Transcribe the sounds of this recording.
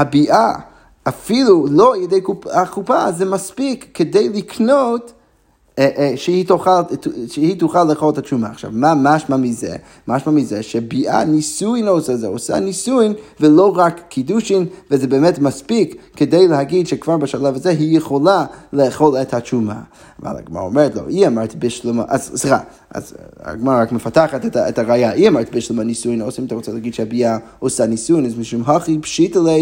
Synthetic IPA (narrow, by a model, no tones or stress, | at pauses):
habiʔa | afiluloalˠjedejkuakupa̰zɛmaspikːede̞jlikʰnot | ʃehitoχaltʃehituχalːeːχolethat͡ʃuma̰ːχʃa̰vmamaʃmamizḛ | maʃmamizeʃebiʔa̰nisujnosazeosa̰nisujmveloʁakʰːiduʃimvəzɛbɛːmɛtmaspikːʰədejlˠəɦaɡidʃɛkv̥aɾbəʃalavazɛɦijəχolˠalɛːχolˠɛthat͡ʃuma̰ː | va̰lˠa̰ɡma̰ɾa̰omɛɾɛtlˠo̰ʔiamaɾtbɪʃlɪmaʔazsʁa | a̰za̰ɡmaʁaakməfataχatɛtaɛthaʁajaʔiamaɾtbɪʃlˠɪmanisuɪnoʊsimtaʁut͡salaaɡidʃɛabia | osanisujnazmiʃumɦɔχipʃitəle